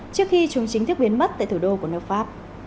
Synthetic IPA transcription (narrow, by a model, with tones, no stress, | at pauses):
t͡ɕɨ˦˥əkxi˧t͡ɕu˨˩ŋt͡ɕï˨˦ŋ̟t̪ɨ˦˥k̚ɓi˨˦ənmə˦˥t̚t̪a̰ː˧˨t̪ʰu˧˩ɗo˧ku˧˩ənəː˧˩p̚faː˦˥p̚